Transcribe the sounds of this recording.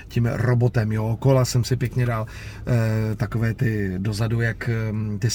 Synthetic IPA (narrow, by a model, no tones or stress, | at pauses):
cimɾobo̞t̪ɛmjoːkolasɛmsɪpjɛkɲɛdaːl | t̪akovɛːt̪ɪdo̞zadujakt̪ɪs